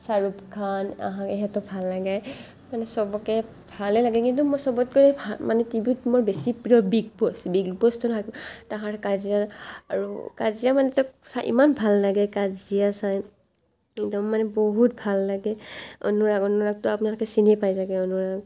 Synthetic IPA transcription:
saɹupkʰana̰ɦãɛɦɛtɔbʱalːaɡɛj | manɛsɔbɔkɛ | bʱalɛlaɡɛkintumɔsɔbɔtkoɹɛbamanɛtibitmɔɹbesipɹiɔbiɡbɔsbiɡbɔstɔnɦataɦaɹkazijaaɹṵkazijamanɛtɔksaʔḭmanbʱalːaɡɛkazijasaj | ɛkdɔmːanɛboɦut̚bʱalːaɡɛɔ̰nuɹaɡɔnuɹak̚tʊapʊnalʊkɛsinipajzaɡɛɔnuɹaɡ

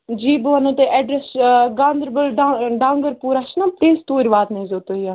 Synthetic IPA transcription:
d͡ʒiːboʋɐnɐ̃t̪eʔɛɖɾɛsɡãːnd̪əɾbəlɖaɖãːŋɡəɾpuːɾaʃnãːt̪eːst̪oːɾʋaːd̪nɐĩzoːt̪oːijaː

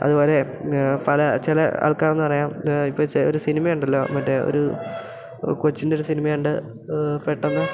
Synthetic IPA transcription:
ɐ̰ðubo̞ːle̞pɐlɐt͡ɕelɐɐ̰ːɭkaːrenːɨpɐrɐjaːmipːoːt͡ɕoɾusinimɐjuɳɖɐlːo̞ːmɐtːe̞o̰ɾu | kot͡ɕːindeo̞ɾusinimɐjaɳɖɨ | peʈːɐnːɨ

